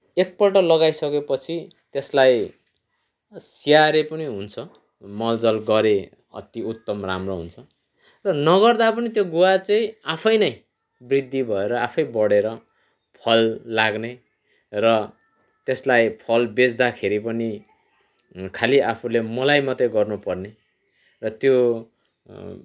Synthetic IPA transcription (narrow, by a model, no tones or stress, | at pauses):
ek̚pʌlʈʌlʌɡajsʌkepʌt͡sʰi | t̪eslaj | sijaɾepʌniɦunt͡sʰʌ | mʌld͡zʌlɡʌɾe | ʌ̰t̪iut̪ːʌmra̰mroɦṵnt͡sʰʌ | rʌnʌɡʌrd̪apʌnit̪joɡuwat͡sʌ̃ĩapʰʌjnʌj | brid̪ʱːibʱʌeɾʌapʰʌjbʌɽeɾʌ | pʰʌlːaɡne | rʌ | t̪eslajpʰʌlbed͡zd̪akʰeɾipʌni | kʰaliʔapʰulemʌlajmʌt̪eɡʌrnupʌrne | rʌt̪jo